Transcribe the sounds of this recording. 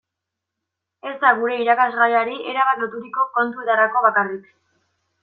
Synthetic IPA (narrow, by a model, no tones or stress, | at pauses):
e̞zd̪aɣuɾe̞iɾakazɣajaɾiʔe̞ɾaβat̪lo̞t̪uɾiko̞ko̞nt̪uet̪aɾako̞β̞akarik